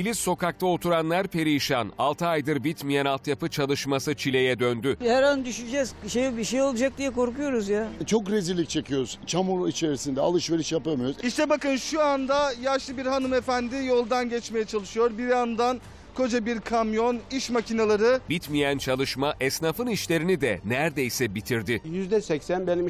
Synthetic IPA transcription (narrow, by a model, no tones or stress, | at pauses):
ilʲisso̞kak̚t̪ʰaot̪ʰuɾanlˠaɾpʰe̞ɾiʃana̰lˠt̪ʰɯajd̪ɯɾbit̪mijɛnalˠt̪japɯt͡ʃʰalˠɯʃmasɯt͡ʃʰilʲe̞jɛd̪ønd̪yhæɾønd̪yʃyd͡ʒɛzʃejbiʃejolˠad͡ʒak̚d̪ijɛko̞ɾkujo̞ɾuzjat͡ʃʰo̞kɾezilʲːic̚t͡ʃʰe̞cʰijo̞ɾuz̥t͡ʃʰamuɾit͡ʃʰeɾisind̪ɛalˠɯʃveɾiʃjapaɾmɯjoɾuziʃt̪ʰɛbakɯnʃuand̪ajaɾʃlˠɯbiɾhanɯme̞fænd̪ɪjo̞lˠd̪anɟɛt͡ʃme̞jɛt͡ʃʰalˠɯʃɯjo̞ɾbiɾand̪an | kʰo̞d͡ʒabiɾkʰamjo̞niʃmacʰinalˠaɾɯbit̪mijænt͡ʃʰalˠɯʃmaʔɛsnaːfɯniʃlʲe̞ɾinid̪ɛnæɾd̪ejsɛbit̪ʰiɾd̪ɪjyzd̪ɛsɛcsænbenim